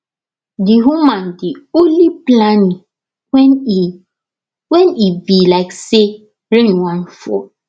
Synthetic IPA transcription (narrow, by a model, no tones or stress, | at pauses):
diɦumãndionliplanĩ | wɛn | wɛnivilaɪkse | ɾẽnwãnfɔ̰